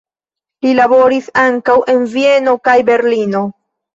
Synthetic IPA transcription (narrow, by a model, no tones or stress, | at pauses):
lilabo̞ɾisaŋkawʔe̞nvie̞no̞kajbe̞ɾlino̞